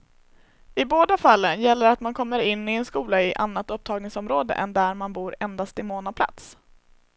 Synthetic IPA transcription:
ɪboːd̪afalːənjɛlːəɾat̪mankʰɔmːəɾɪnːɪɛnskuːlaɪʔanːat̪ɵp̚t̪ʰɑːɡnɪŋsɔmɾoːd̪ə̰ʔɛ̰nd̪æɾmanbuːɾɛnd̪ast̪ɪmoːnapʰla̰t̪s

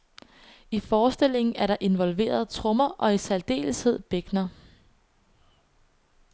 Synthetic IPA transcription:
ifɒːsd̥e̝l̰e̝ŋn̩æɐɾɑ̈ʔe̝nʋɒ̽lʋe̝̰ːɐð̞ˠt͡sʰʁɔ̽mɐʔɒ̽isæld̥e̝̰ːləshe̝ð̞̰ˠb̥eɡ̥nɐ

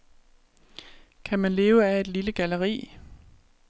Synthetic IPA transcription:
kʰæmænle̝ːʊəæe̝d̥liləɡ̥æləʁḭː

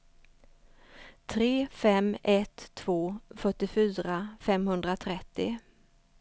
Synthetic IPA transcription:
t̪ʰɾeːfɛmɛt̪ʰːv̥oːfœʈːɪfyːɾafɛmhɵnd̪ɾat̪ʰɾɛt̪ːɪ

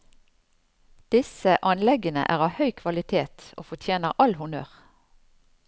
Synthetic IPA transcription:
d̪̥ɪsəʔɑnlɛɡənə̰ʔæːʁɑːʋhœʏkʰʋɑlɪt̪ʰeːt̪o̰ːfɔt̪ʰjeːnəʁʔɑlhʊnøːʁ

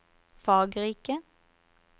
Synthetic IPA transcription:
fɑːɡʁiːkə

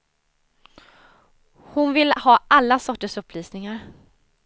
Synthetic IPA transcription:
hʊnvɪlhɑːʔalːasɔʈːəʂɵpːlyːsnɪŋaɾ

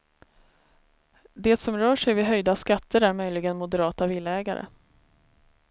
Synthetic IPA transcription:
d̪eːt̪sɔmɾœːʂɛjvɪɦœjd̪askat̪ʰːəɾæɾmœjlɪɡənmʊd̪əɾɑːt̪avɪlːɛːɡa̰ɾʔə̰

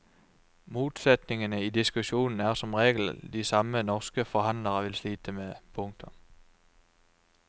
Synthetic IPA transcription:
muːd̪̥sɛt̪nɪŋənəid̪ɪskʉɕuːnn̩æɐʁsɔ̽mʁeːɡl̩d̪isɑmənɔʁskəfɔhɑnləʁəʋɪlsliːt̪ʰəmepʰʊŋt̪ʰɔ

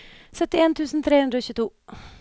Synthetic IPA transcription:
sœt̪ːɪeːnt̪ʰʉːsn̩t̪ʰɾeːhʉnd̪ɾoːɕʉːt̪ʰuː

